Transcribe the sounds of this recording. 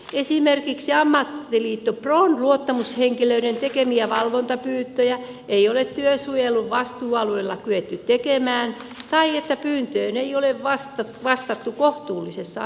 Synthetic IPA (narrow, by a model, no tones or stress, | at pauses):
esimerkiksiɑmːɑt̪ːiliːt̪ːopronluot̪ːɑmusheŋkiløiɾent̪ekemiæʋɑlʋont̪ɑpyːt̪ːøjæ | eiolet̪t̪yøsujelːuʋʋɑst̪uːɑluelːɑkyet̪ːytt̪ekemæːn | t̪ɑiet̪ːæpyːnt̪øːneioleʋʋɑst̪ɑʋɑst̪ɑt̪ːukoht̪uːlːisesːɑ̰